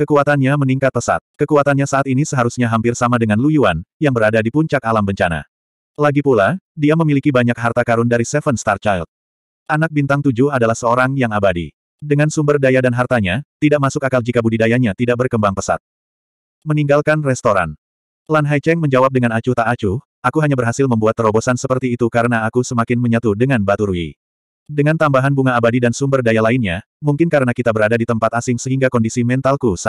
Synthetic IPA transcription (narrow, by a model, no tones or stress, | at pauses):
kəkuat̪anɲaməniŋkat̪̚pəsa̰t̪̚kəkuat̪anɲasaʔat̪inisəɦaɾusɲaɦampɪrsamadəŋanlujuanjaŋbəɾadadipuɲt͡ʃak̚alambəɲt͡ʃana̰ | laɡipuladiaməmilikibaɲak̚ɦart̪akaɾʊndaɾisɛfənst̪art͡ʃajlt̪̚ | ʔanak̚bint̪aŋt̪ud͡ʒuɦadalahsəoɾaŋjaŋabadḭ | dəŋansumbərdajadanɦart̪aɲat̪idaʔmasʊkakald͡ʒikabudidajaɲat̪idaʔ̚bərkəmbaŋpəsa̰t̪̚ | məniŋɡalkanrɛst̪oɾa̰n | lanɦajt͡ʃɛŋməɲd͡ʒawap̚dəŋanat͡ʃut̪aʔat͡ʃu | ʔakuɦaɲabərɦasɪlməmbuat̪ːəɾobosansəpərt̪iːt̪ukaɾənaːkusəmakɪnməɲət̪udəŋanbat̪uɾuḭ | dəŋant̪ambaɦanbuŋaːbadidansumbərdajalaɪnɲa | muŋkɪnkaɾənakit̪abəɾadadit̪əmpat̪asɪŋsəɦiŋɡakɔndisimɛnt̪alkus